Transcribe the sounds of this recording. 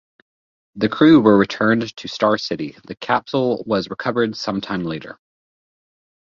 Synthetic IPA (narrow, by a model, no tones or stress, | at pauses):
ðɨkʰɹ̥ʉwə˞ɹɨtʰɜ̃˞ntʰɨstɑɹsɪɾiðɨkʰæpsl̩ˠwʌzɹɨkʰʌvə˞dsʌ̃mtʰãɪ̃mleɪɾə̰˞